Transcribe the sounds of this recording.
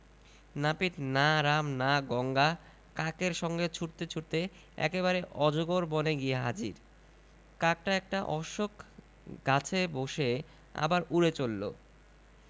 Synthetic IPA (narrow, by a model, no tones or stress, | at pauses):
napit̪naɾamnaɡɔŋɡa | kakeɾʃɔŋɡet͡ɕʰuʈt̪et͡ɕʰuɾt̪e | ɛ̰keβaɾeʔɔd͡ʑoɡoɾboneɡieɦa̰d͡ʑḭɾ | kak̚ʈaɛk̚ʈaʔɔʃokʰ | ɡat͡ɕʰeboʃe | a̰baɾuɾet͡ɕolːo̰